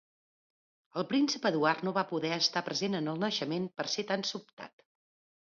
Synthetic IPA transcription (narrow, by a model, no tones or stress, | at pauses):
əlˠpɾinsəpəðuarnoβapuðɛəst̪apɾəzenənəlˠnəʃəmenpəɾset̪ansup̚t̪a̰t̪